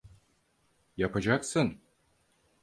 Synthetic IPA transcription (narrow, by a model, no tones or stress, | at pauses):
japʰad͡ʒaksɯn